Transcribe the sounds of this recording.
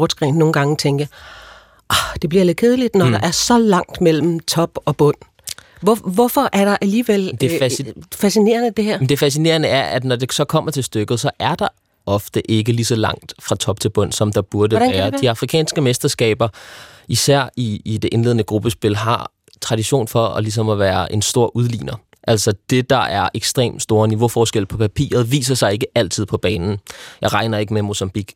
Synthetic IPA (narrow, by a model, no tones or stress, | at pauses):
ɔ̥sɡ̥ʁɛ̰ːnːo̝ːn̩ɡɑ̈ŋət͡sʰeŋɡ̥ə | ʔɒhd̥e̝b̥liɐle̝d̥̚kʰe̝ð̞ˠəlid̥nɒdɑ̈ʔæɐsɒ̽lɑ̈ŋ̰d̥mel̰m̩t͡sʰɒ̽b̥ɒ̽b̥ɔ̽n̰ | ʋɒʋɒfɒ̽ʔæɐɾ̥ɑ̈ʔæliːʋel̰d̥efæsine̝̰ːɐnəd̥e̝heɐ̰mend̥e̝fæs̬ine̝̰ːɐnəæɐʔæd̥nɒd̥e̝sɒ̽kʰɒ̽m̰ɐt͡sʰe̝lsd̥øɡ̥ð̩ˠsɒ̽ʔæɐd̥ɑ̈ | ɒ̽fd̥əʔe̝ɡ̥əlisɒ̽lɑ̈ŋ̰d̥fʁɑ̈t͡sʰɒ̽b̥̚t͡sʰe̝b̥ɔ̽n̰sɒ̽md̥ɑ̈b̥uɐd̥əæːɐd̥iɑ̈fʁikʰɛ̰ːnsɡ̥əmesd̥ɐsɡ̥ɛ̰ːb̥ɐisæɐ̰iːd̥e̝ʔe̝nle̝ðˠnəɡ̥ʁub̥əsb̥e̝lɦɑ̈ | t͡sʰʁɑ̈ɾiɕo̝̰ːnfɒ̽ɒlis̬ɒ̽mɒʋæːɐʔe̝nsd̥o̝ɐ̰ʔuð̞ˠlḭːnɐ | ʔæl̰sɒd̥e̝d̥ɑ̈ʔæɐʔeɡ̥sd̥ʁḛːmd̥sd̥o̝ːɐniʋo̝fɒːsɡ̥el̰pʰɒ̽pʰæpʰḭːɐð̞̩ˠʋḭːsɐsɑ̈ɪe̝ɡ̥əæl̰t͡sʰið̞̰ˠpʰɒ̽b̥ɛːnn̩jɑ̈ɪʁɑ̈ɪnɐe̝ɡ̥əmemo̝sɑ̈mb̥iɡ̥